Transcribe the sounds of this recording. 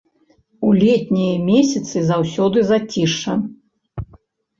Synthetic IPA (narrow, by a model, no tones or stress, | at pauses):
ulʲɛt̪ʲnʲijɐmʲɛsʲɐt̪sɨzawsʲɔd̪ɨzat͡sʲiʂɐ